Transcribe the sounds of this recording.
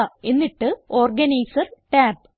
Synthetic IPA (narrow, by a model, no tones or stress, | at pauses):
e̞nːiʈːɨoːrɡɐnɐjsɐrʈaːb